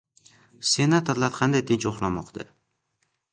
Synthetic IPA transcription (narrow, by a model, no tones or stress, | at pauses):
se̞nat̪ʰoɾlaɾqʰɑnd̪ajt̪ʰɪnt͡ʃoχlamɒqd̪ʰa̰